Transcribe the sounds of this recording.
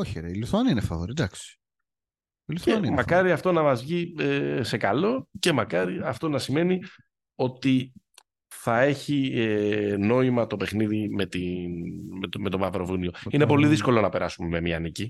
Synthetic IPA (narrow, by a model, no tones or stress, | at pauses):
oçeɾeiluθuɐniinefɐvoɾid̪ɐksi̥ | iluθeɐnnimɐkɐɾiɐft̪o̞nɐmɐzʝiese̞kɐlo̞ce̞mɐkɐɾiɐft̪o̞nɐsime̞ni | o̞t̪i | θɐe̞çieno̞imɐt̪o̞pe̞xniðime̞t̪inme̞t̪o̞mɐvɾo̞vunio̞ine̞po̞liðisko̞lo̞nɐpeɾɐsume̞me̞miɐnici